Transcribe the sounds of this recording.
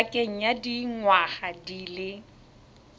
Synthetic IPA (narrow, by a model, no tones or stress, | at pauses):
kʼeŋ̩jadiŋwaχadilɪ